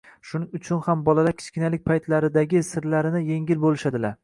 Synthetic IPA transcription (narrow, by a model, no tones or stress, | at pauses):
ʃʊnɪŋʊt͡ʃʰʊnhambɒlalaɾkʲɪ̥t͡ʃkʲɪnalɪk̚ʲpʰajt̪ʰlaɾɪd̪aɡʲɪsɪɾlaɾɪnɪje̞ŋʲɪlbolɪʃad̪ɪlaɾ